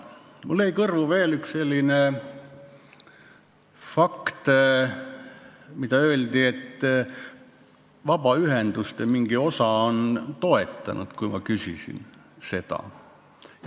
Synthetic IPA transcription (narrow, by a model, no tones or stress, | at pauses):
mulːeikɤrvuve̞ːlyksse̞lʲːine | fɑkt̪ | mit̪ɑø̞ːld̪ie̞t̪ː | vɑb̥ɑyɦend̪̥ust̪emiŋɡ̥io̞sɑont̪o̞e̞t̪ˑːɑnʔṵd̪̥kujmɑkysḭsḭn | se̞t̪ɑ̰